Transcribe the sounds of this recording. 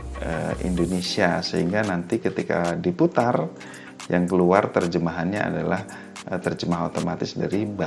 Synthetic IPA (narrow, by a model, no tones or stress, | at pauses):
ə̰ḭndonesiasəɦiŋɡanant̪ikət̪ika̰diput̪ar | jaŋkəluart̪ərd͡ʒəmaɦanɲaa̰dalah | t̪ərd͡ʒəmaɦot̪omat̪ɪsdaɾiba